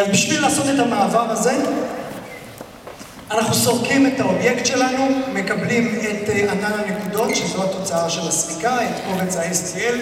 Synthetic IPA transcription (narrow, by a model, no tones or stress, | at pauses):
albiʃvilaːso̞t̪et̪amaːvaʁaze̞ | anaχnuso̞ʁkime̞tao̞bje̞ktʃe̞lanume̞kablime̞tananane̞kudo̞tʃezohat̪o̞t͡saaʃe̞lasbikaet̪kovet͡saestiel